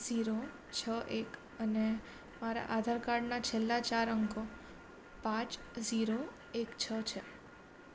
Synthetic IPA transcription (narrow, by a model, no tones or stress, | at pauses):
ziɾo | t͡ʃʰəʔek | əne | maɾa̰ʔad̪ʱaɾkaɽnat͡ʃʰelːat͡ʃaɾəŋko | pãt͡ʃziɾo | ekt͡ʃʰət͡ʃʰe